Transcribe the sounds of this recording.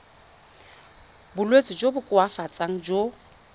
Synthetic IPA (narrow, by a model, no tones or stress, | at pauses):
bʊlwet͡sʼɪd͡ʒobʊkʼʊafat͡sʼaŋ̩d͡ʒo